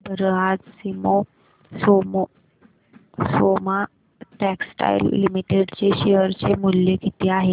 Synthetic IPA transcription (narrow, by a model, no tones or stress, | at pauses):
bʱəɾəɦad͡zsimo | somo | soma | ʈɛksʈa̰ilːimiʈeɽt͡ɕeɕeəɾt͡ɕemuljekit̪iaɦe